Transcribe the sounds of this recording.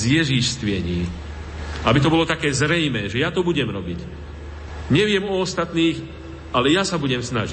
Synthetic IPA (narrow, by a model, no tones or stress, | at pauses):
zjɛʒiʃst̪ʋɪɛɲiː | abit̪ɔbɔlɔt̪akɛːzɾɛjmɛːʒɛjat̪ɔbuɟɛmɾɔbic | ɲɛʋɪɛmɔɔst̪at̪niːx | alɛjasabuɟɛmsnaʒi